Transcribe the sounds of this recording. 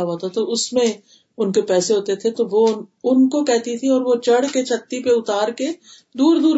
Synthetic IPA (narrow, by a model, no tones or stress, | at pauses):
aɦoːt̪at̪oʊsmẽ | ʊnkepɛːseɦoːt̪et̪ʰet̪oʋoʊnkokɛɦt̪it̪ʰiɔːɾʋot͡ʃɐɽket͡ʃʰɐt̪ːipeʊt̪aːɾke | d̪uːɾd̪uːɾ